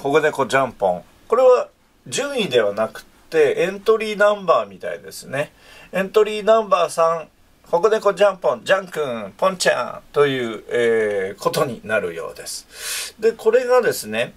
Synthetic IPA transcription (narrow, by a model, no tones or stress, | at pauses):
ho̞ɡɯ̟ne̞ko̞d͡ʑãmpõ̰ŋ | ko̞ɾe̞βa | d͡ʑɨ̃ɰ̃id̪e̞βanakɯ̟̥t̪ːe̞ẽnt̪o̞ɾʲiːnãmbaːmʲit̪a̰ḭd̪e̞̰sɨne̞ | ẽ̞nt̪o̞ɾʲiːnãmbaːsãŋ | ho̞ɡɯ̟ne̞ko̞d͡ʑãmpõ̞ɲd͡ʑãŋkɯ̃ɴpõ̞ɲt͡ɕã̰t̪o̞jɯ̟ːeːko̞t̪o̞ɲ̟ḭnaɾɯ̟̰jo̞̰ːd̪e̞sɨ̥d̪e̞ko̞ɾe̞ɡad̪e̞sɨne̞